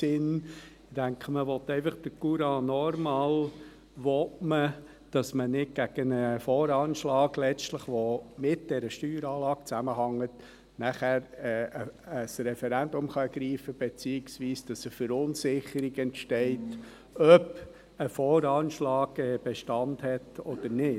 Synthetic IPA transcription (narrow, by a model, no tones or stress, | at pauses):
ɪn | d̥æŋkχəməʋɔt̪ːɛɪfɑχd̥əkuɾɑːnɔɾmɑːl | ʋɔtmə | d̥ɑsmənɪt̚ɡ̥æɡ̥ənəfɔːɾɑːnʃlɑːɡ̥lɛt͡stləχʋɔmɪt̚d̥ɛɾəʃtyːɾɑːlɑːk̚t͡sæməɦɑŋːət | næχæːɾɛəəsrɛfɛɾænd̪ʊmχɑɛɡ̥ɾiːfəb̥et͡siːɪksʋiːsd̥ɑsəfəɾʊnsɪχəɾiɡɛntʃtɛɪt | œb | əfɔːɾɑːnʃlɑːɡɛb̥eʃtɑndhɛtɔd̥̪əɾnɪ